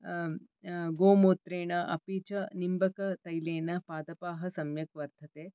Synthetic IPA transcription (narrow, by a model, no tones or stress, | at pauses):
ɡoːmoːt̪ɾeːɳɐʔɐ̰piːt͡ʃɐnimbɐkɐt̪ɐjleːnɐpaːd̪ɐpaːɦɐsɐmjɐkʋɐɾt̪ʰɐt̪eː